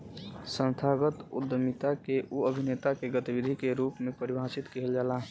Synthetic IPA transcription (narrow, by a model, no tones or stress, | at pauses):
sə̃nt̪ʰaɡət̪ṵd̪ːəmit̪akeʔuəbʱinet̪akeɡət̪ibid̪ʱikeɾuːpmepəɾibʱãsit̪kiɦeld͡ʒaːlaɦ